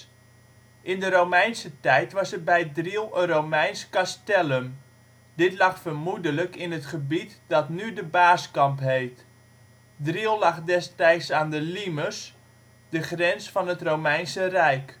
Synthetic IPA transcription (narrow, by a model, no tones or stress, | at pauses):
ʔɪndəɾowmɛjnsətɛjtʋɑsər̚bɛjdrilˠərowmɛjnskastɛləm | d̥ɪtlɑχfərmudələkɪnətχəbitdɑtnydəbaːskɑmpɦejt | driəlˠlɑχdɛstɛjsaːndəliməs | d̥əχrɛnsfɑnɦətrowmɛjnsərɛjk